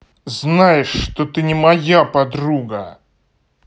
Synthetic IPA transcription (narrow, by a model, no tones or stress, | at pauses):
znajɪʂːt̪ot̪ɨnʲɪmɐjapɐd̪ɾuɡə